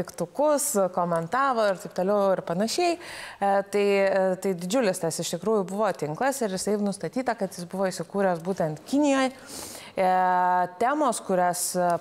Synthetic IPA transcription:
t̪ʲɪkt̪ʊkʊskoːmʲɛnt̪ɑːʋoːɪrt̪ɐɪpt̪oːlʲɛʊɪɾpɐnɐʃʲɛɪt̪ɐɪt̪ɐɪd̪ʲɪd͡ʒʲʊlʲɪst̪ɐsɪʃt̪ʲɪkɾuːjʊbʊʋoːt̪ʲɪŋklˠɐsɪɾjɪsɐɪnʊst̪ɐt̪ʲiːt̪ɐkɐt̪jɪsbʊʋoːɪʃʲsʲɪkuːɾʲoːsbuːt̪ʲɛnt̪kʲɪnʲɪjoːj | t̪ʲæːmoːskʊɾʲæs

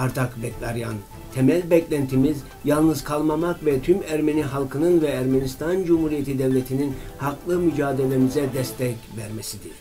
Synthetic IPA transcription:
aɾt̪ʰakbɛclʲaɾjan | t̪ʰemælʲbɛclʲænt̪ʰimiz | jalˠnɯzkʰalˠmamakvɛt̪ʰymæɾme̞niɦalˠkʰɯnɯnvɛːɾmenist̪ʰand͡ʒumhuɾijet̪ʰid̪evlʲet̪ʰininhaklˠɯmyd͡ʒaːd̪e̞lʲemizɛd̪ɛst̪ʰɛcvæɾmesid̪i̥

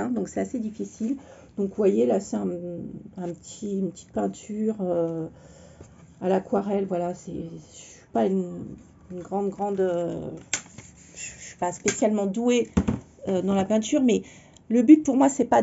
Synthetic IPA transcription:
ɛ̃d̪ɔ̃ksɛt̪ased̪ifisil | d̪̥ɔ̃kvwajelaseɛ̃ɛ̃pət̪ʰiynpət̪i̥t̪̚pɛ̃t̪ʰyʁø | alakwaʁɛlvwalasɛssɥi̥payn | ynɡʁɑ̃d̪ɡʁɑ̃d̪ø | ʒɥi̥paspesjalmɑ̃d̪ue | ød̪ɑ̃lapɛ̃t̪yʁmɛ | ləbyt̪̚puʁmwasɛpa

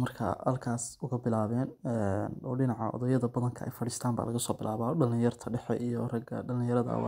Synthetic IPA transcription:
mɐrkʰɐ̰hɐlkʰaːsʊɣɐbɪlaːβɛːnɛnɔːɖɪnɑʕɑ̰ʔɔ̰ðɐjɐðɐbɐðɐŋkʰɐʔɛ̰jfɐɽiːst̪ʰaːmba̰ːlɐɣɐsɔːbɪlʔaːβaːɖɐlɪjɐrt̪ʰɐɖɛħɛ̰ʔijɔrɐɡɐ̰ɖɐlɪ̃jɐɾɐðɐ̰wɑ̰

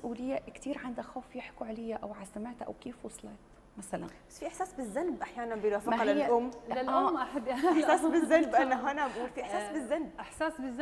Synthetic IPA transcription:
sʔuːlɪjːakt̪iːɾʕand̪axoːfjɪħkuʕalɪjːaʔawʕalsamaʕt̪aʔa̰wkiːfwʊsˤleːt̪ | masala̰nbasfiʔɪħsaːsbɪzːanbʔaħjaːnanbɪjɾɑːfɪqlɪʔʊmːalʔamʔaħabːjɪɪħsaːsbɪzːalbʔanːaɦanaʔbuːlfiʔɪħsaːsbɪzːanb̚ʔɪħsaːsbɪz

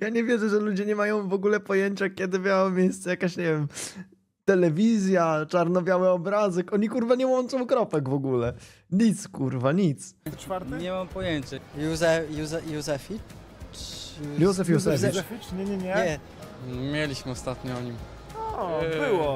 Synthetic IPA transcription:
jaɲɛvʲjɛʐɛʐɛlud͡ʑɛɲɛmajɔ̃w̃vɔɡulɛpɔjeɲt͡ɕakʲɛd̪ɘbʲjawmʲjejst̪sɛjakaɕɲɛvʲjɛm | t̪ɛlɛvʲizʲjat͡ʂaɾnɔbʲjawɛɔbɾazɛkʔɔɲikuɾvaɲɛwɔnt͡ʂɔ̃w̃kɾɔpɛɡvɔɡulɛ | ɲit̪skuɾvaɲit̪s | faɾt̪ɲɛmampɔjeɲt͡ɕajuzɛjuzɛjuzɛfʲi | juzɛfjuzɛfɛfʲiɲɛɲɛɲɛɲɛ | mʲjelʲiɕmɘɔst̪at̪ɲɔɔɲim | ɔbɪwɔ

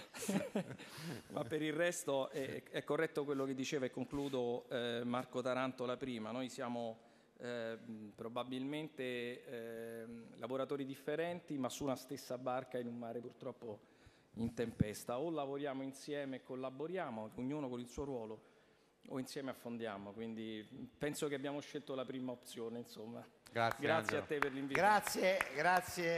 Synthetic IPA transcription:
mapːeɾirːɛst̪oɛɛkːorːɛt̪ːokwelːok̟ed̪ːit͡ʃeːvaekːoŋkluːd̪omarkot̪aɾant̪olapɾiːmanojsjaːmo | pɾobabilment̪e | lavoɾat̪oːɾid̪ifːeɾɛnt̪imasːunast̪esːabarkainumːaːɾepurt̪ɾɔpːo | int̪empɛst̪aolavoɾjaːmoinsjɛːmeːkʰːolːaboɾjaːmokeuɲːuːnokonilsuːoɾwɔːlo | o̰insjɛːmeafːond̪jaːmokwind̪ipɛnsokeabːjaːmoʃːelt̪olapɾiːmaop̚t̪sjoːneinsomːaɡaɡɾatsjeat̪ːeperliɱviɾat̪sjeɡɾat̪sje

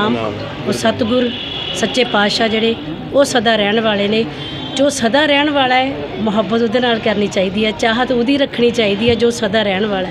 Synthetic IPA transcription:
aːm | oːsət̪ɡʊɾ | sətːt͡ʃeːpaːʃaːd͡ʒeːɽeː | oːsəd̪aːɾɛːɳʋaːleːneː | d͡ʒoːsəd̪aːɾɛːɳʋaːlaːeː | mʊɦəbːət̪ʊd̪eːnaːlkəɾniːt͡ʃaːiːd̪iːɛːt͡ʃaːɦət̪ʊd̪iːɾəkʰːɽ̃iːt͡ʃaːiːd̪iːɛːd͡ʒoːsəd̪aːɾɛːɳʋaːla

